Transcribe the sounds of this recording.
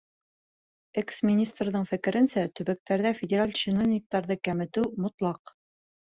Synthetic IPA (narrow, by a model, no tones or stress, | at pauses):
eksmʲɪnʲist̪rðɤɴfɘ̆kɘ̆ɾɘ̆nsæt̪ɵ̆bæk̚t̪æɾðæfʲɪdʲɪɾalʲt͡ɕɪnovnʲɪk̚t̪ɑɾðɤkæmɘ̆t̪ɘwmŏt̪lˠɑq